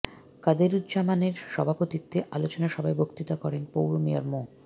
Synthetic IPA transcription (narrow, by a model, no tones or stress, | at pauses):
kad̪eɾud̪d͡ʑamaneɾʃɔbʱapot̪it̪ːeʔa̰lot͡ɕonaʃɔbʱaebʱokt̪it̪akɔɾenpowɾomia̰ɾmo